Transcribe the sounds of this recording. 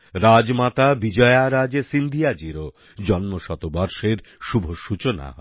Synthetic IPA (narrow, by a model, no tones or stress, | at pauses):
ɾad͡ʑmat̪abid͡ʑɔeaɾad͡ʑesind̪ʱijad͡ʑiɾo | d͡ʑɔnmoʃɔt̪obɔɾʃeɾʃubʱoʃut͡ɕona̰